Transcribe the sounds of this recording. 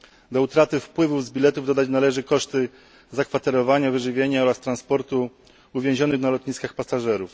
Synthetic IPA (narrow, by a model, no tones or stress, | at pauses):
d̪ɔut̪ɾat̪ɘfpwɘvuvzbʲilɛt̪uvd̪ɔd̪at͡ɕnalɛʐɘkɔʂt̪ɘ | zakfat̪ɛɾɔvaɲavɘʐɘvʲjeɲaɔɾast̪ɾanspɔɾt̪u | uvʲjɛ̃ʑɔnɘxnalɔt̪ɲiskaxpasaʐɛɾuf